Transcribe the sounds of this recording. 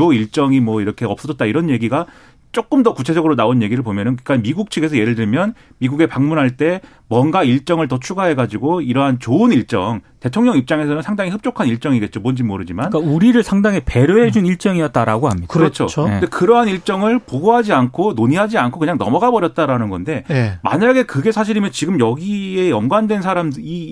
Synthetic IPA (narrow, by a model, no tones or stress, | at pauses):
oiɭt͡ɕ͈ʌŋimwʌiɾʌkʰe̞ʌp̚s͈ʌd͡ʑʌt̚t͈aiɾʌnje̞ɡiɡa | t͡ɕ͈ok͈ɯmdʌkut͡ɕʰe̞d͡ʑʌɡɯɾonaonje̞ɡiɾɯɭpomjʌnɯnkɯk͈amiɡuk̚t͡ɕʰiɡe̞sʰʌje̞ɾɯɭdɯɭmjʌn | miɡuɡe̞paŋmunɦaɭt͈e̞ | mwʌnɡaiɭt͡ɕ͈ʌŋɯɭtʌt͡ɕʰuɡaɦe̞ɡad͡ʑiɡoiɾʌɦant͡ɕoɯniɭt͡ɕ͈ʌŋte̞tʰoŋɲʌŋip̚t͡ɕ͈aŋe̞sʰʌnɯnsʰaŋdaŋiɦɯp̚t͡ɕ͈okʰaniɭt͡ɕ͈ʌŋiɡe̞t̚t͡ɕomond͡ʑimoɾɯd͡ʑimankauɾiɾɯɭsʰaŋdaŋipe̞ɾjoɦe̞d͡ʑuniɭt͡ɕ͈ʌŋiʌt̚t͈aɾa̰ɡoɦamɲidaɾɾʌt͡ɕʰoekɯɾʌɦaniɭt͡ɕ͈ʌŋɯɭpoɡoɦad͡ʑiankʰonoɲiɦad͡ʑiankʰokɯɲaŋnʌ̰mʌɡabʌɾjʌt̚t͈aɾanɯnɡʌnde̞ma̰ɲaɡe̞kɯɡe̞sʰaɕ̬ʰiɾimjʌnt͡ɕiɡɯmjʌɡiejʌŋɡwandwe̞nsʰaɾami